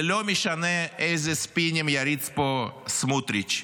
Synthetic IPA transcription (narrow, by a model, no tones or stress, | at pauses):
lʲomʲiʃanɛɛzʲespinʲemjaɾit̪t͡sposmut̪ɾit͡ʃ